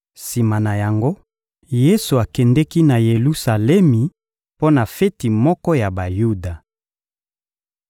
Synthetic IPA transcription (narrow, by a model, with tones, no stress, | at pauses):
si˨ma˨na˨ja˨ŋɡo˦ | je˦su˨a˨kɛ˨ndɛ˦ki˦na˨je˨lu˦sa˨lɛ˦mi˨ | po˦na˨fe˦ti˨mɔ˦kɔ˦ja˨ba˨ju˦da˨